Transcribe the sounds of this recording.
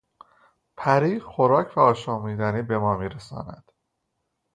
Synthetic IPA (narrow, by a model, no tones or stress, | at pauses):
pʰæɾiːxoɾɒːcʰvæɒːʃɒːmiːd̪æniːbe̞mɒːmiːɾesɒ̰ːnæ̰d̪̥